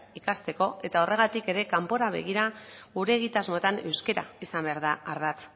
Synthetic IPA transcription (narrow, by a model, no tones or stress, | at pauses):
ikast̪e̞ko̞e̞t̪ao̞re̞ɣat̪ike̞ɾe̞kampo̞ɾaβ̞e̞̰ɣ̞iɾaɣuɾe̞ːɣit̪azmo̞t̪ane̞wske̞ɾa̰isambe̞aɾðaːɾðat͡s̪